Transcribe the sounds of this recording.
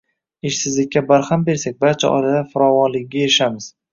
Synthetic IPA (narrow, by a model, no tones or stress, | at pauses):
ɪʃsɪzlɪkʲːabaɾhambe̞ɾsak̚ʲbaɾt͡ʃʰa̰ʔɒ̰lad̪afʊɾɒvɒnlɪɡʲajɪʃamɪz̥